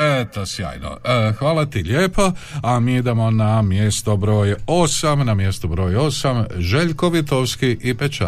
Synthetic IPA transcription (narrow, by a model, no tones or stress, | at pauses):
et̪osja̰ːjno̰xʋaːlat̪iʎeːpo̞amiːid̪emo̞namjest̪obɾo̞ːjo̞samnamje̞st̪obɾo̞ːjo̞samʒe̞ʎkoʋit̪oʋskiʔipet͡ʃa̰